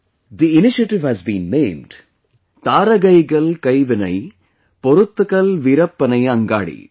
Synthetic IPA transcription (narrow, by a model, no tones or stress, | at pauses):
d̪iɪnɪʃɐʈɪʋhæzbḭ̃ːnːẽːmɖ̥ | t̪aːɾɐɣɐɪɣɐɭkɐɪʋɪnɐɪ | pɔɾɯt̪ːɯɣɐlʋɪɾɐpːɐnɐɪɐŋɡa̰ːɽḭ